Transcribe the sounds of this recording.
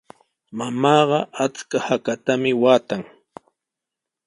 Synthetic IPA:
mamɑːɢɑat͡skahakat̪amɪwaːt̪aŋ

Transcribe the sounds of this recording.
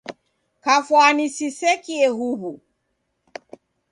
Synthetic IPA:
kafwanisisɛkiɛɦuɦu

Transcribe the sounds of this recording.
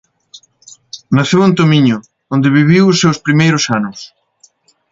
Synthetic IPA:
naθewunt̪omĩɲʊ | ond̪ɪβiβiwʊsːewspɾimejɾʊsanʊs

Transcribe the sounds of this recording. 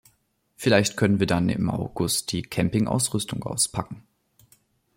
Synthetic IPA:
fɪlaɪçtkʰœnənviːɐdanɪ̰mʔa̰ʊɡ̥ʊst̚d̥iːkʰɛmpɪŋʔa̰ʊsʁʏstʊŋʔa̰ʊspʰakŋ̩

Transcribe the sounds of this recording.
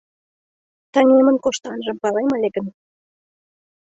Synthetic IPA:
t̪ɑŋʲemənkoʃt̪ɑnʒə̆mpɑleməlʲeɡən

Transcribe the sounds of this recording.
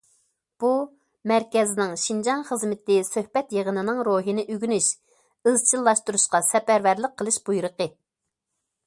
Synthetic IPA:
b̥u | mæɾkʲɛzɪnɪŋʃind͡ʒɑnχəzmɪt̪ɪsøhbɛt̪jəʁənɨnɨŋɾoɦinɪʔyɡʲynyʃ | ɨzt͡ʃʰilˠːɑʃt̪uɾuʃqɑsɛpæɾvæɾləq̚qʰːəlˠɨʃb̥ujɾəqə

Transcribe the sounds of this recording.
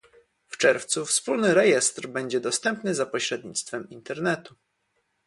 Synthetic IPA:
ft͡ʂɛɾft̪sufspulnɘɾɛjɛst̪ɾbɛɲd͡ʑɛd̪ɔst̪ɛmpnɘzapɔɕɾɛd̪ɲḭt̪st̪fɛmint̪ɛɾnɛt̪u

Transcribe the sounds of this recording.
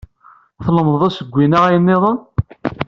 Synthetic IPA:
θləmððˤæsəɡʷːinaʁæjənːɪðˤɑ

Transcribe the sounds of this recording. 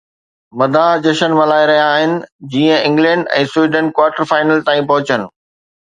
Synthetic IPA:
mɐd̪ʱãːd͡ʑɐʃənmɐlaːiɾɐɦijaːɦɪnɪ̆d͡ʑiːə̃ɪ̃ŋɡlɛ̃ːɳɖɛ̰̃ːsʊwiːɖə̃nkwaːɾʈəɾfaːɪnəlt̪ãːĩpɐɦʊt͡ɕənɪ̆

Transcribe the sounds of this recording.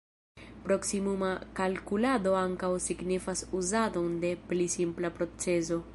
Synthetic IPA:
pɾo̞ksimumakalkulado̞aŋkawsiɡnifasuzado̞nde̞plisimplapɾo̞t͡se̞zo̞

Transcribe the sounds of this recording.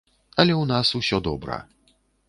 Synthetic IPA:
alɛunasuɕɔd̪ɔbɾa̰

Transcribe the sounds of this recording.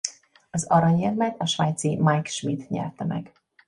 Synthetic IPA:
ɒzɒɾɒɲɛvmɛk̪ɒʃvaːjt̪simajkʃmit̪ɲɛ̰rt̪ɛmɛ̰ɡ

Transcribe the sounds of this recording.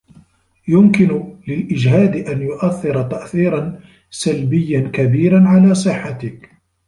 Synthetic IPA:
jʊmkɪnʊlɪlʔɪd͡ʒɦaːd̪ɪʔanjʊʔaθːɪɾɑt̪aʔθiːɾɑn | salbɪjːankabiːɾanʕalaːsˤɨħːat̪ɪk

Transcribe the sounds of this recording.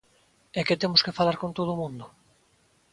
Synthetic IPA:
ɛket̪emʊskefalaɾkont̪oðomũnd̪ʊ

